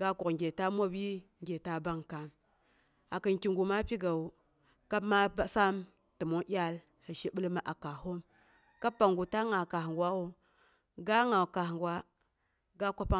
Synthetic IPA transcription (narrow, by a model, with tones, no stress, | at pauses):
ɡa˦ku˨kŋ˨ɡʲe˨ta˦mʷ˦o˦bi˦ŋɡʲe˨ta˦ba˦ŋka˨m | a˨kə˨nki˨ŋɡu˨ma˦pi˦ɡa˨u˨ | ka˦bma˦ba˦sa˦m | tɨ˨mo˦ʔʲa˦l | hə˨ʃi˦ɓə˦lma˦ʔa˨ka˨ɦo˦m | ka˦pːa˨ŋɡu˨ta˦ŋa˨ka˨hŋɡwa˦o˦ | ɡa˦ŋa˨ka˨hŋɡwa˦ | ɡa˦kʷa˦pa˦